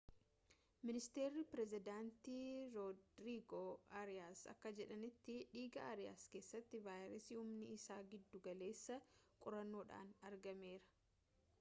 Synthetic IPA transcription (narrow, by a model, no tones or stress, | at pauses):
mɪnɪst̪e̞ːɾːɪpɾɛzɪd̪aːnt̪iːɾodɾiːɡoɐɾɪjaːsɐ̰kːɐd͡ʒɛᶑɐnɪt̪ːɪᶑiːɡɐɐːɾɪja̰ːske̞ːsːɐt̪ːɪvaːjɾɛsiːʊmnɪːsaːɡɪd̪ːʊɡɐle̞ːsːɐkʼʊɾɐnːo̞ːᶑa̰ːnɐɾɡɐme̞ːɾɐ̥